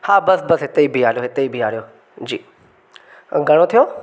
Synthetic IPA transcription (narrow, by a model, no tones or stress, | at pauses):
hãːbəsbəsɦɪt̪eiːbʱiːaːlejoːɦɪt̪eiːbʱiːaːɽejoː | d͡ʒiː | ɡəɽ̃õːt̪ʰɪjoː